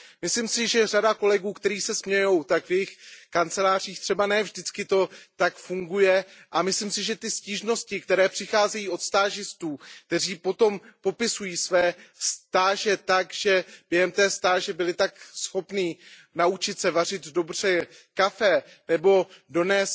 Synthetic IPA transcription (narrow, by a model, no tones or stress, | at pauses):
mɪslimsɪʒɛr̝adako̞lɛɡuːkt̪ɛɾiːsɛsmɲɛjo̞wt̪akvjɛjɪxkant͡sɛlaːr̝iːxt̪r̥ɛbanɛːvʒdɪt͡skɪt̪o̞t̪akfuŋɡujɛʔamɪslimsɪʒɛt̪ɪsciːʒno̞scɪkt̪ɛɾɛːpr̥ɪxaːzɛjiːo̞t̪st̪aːʒɪst̪uːk̚t̪ɛr̝iːpo̞t̪o̞mpo̞pɪsujiːsvɛːst̪aːʒɛt̪akʒ̥ɛb̥jɛɦɛmt̪ɛːst̪aːʒɛbɪlɪt̪aksxo̞pniː | naut͡ʃɪt̪sɛvar̝ɪt̪do̞br̝̥ɛkafɛ | nɛbo̞do̞nɛːs